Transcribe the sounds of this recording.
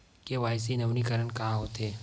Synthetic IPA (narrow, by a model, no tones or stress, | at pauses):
keʋaːɪs̬inɐʋnikəɾənkaãɦoːt̪eː